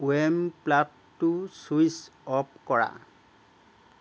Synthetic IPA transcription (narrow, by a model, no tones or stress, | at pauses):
wemplatːusuisɔp̚kɔɹa̰